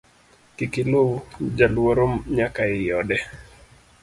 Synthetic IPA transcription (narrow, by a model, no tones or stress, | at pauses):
kikilowd͡ʒalwoɾomɲakaɪjɔdɛ